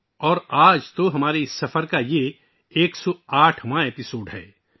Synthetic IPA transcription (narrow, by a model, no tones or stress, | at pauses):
ɔːɾaːd͡ʒt̪oɦɐmaːɾeɪsːɐfəɾkaje | eːksɔaːʈʰmãeːpɪsoːɖɦɛ̰ː